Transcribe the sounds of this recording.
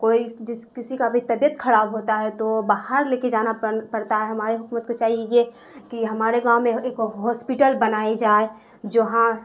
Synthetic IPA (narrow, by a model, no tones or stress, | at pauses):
koːid͡ʒɪskɪsikabʱit̪ɐbjət̪kʰɐɾaːbɦoːt̪aɦɛt̪obaɦəɾleːked͡ʒaːnapɐɽt̪aɦɛɦɐmaːɾeɦʊkumət̪̚kot͡ʃaːɦieɡe | kiɦɐmaːɾeɡaːmẽeːkɦɔːspiʈəlbɐnaːed͡ʒaːe | d͡ʒoɦã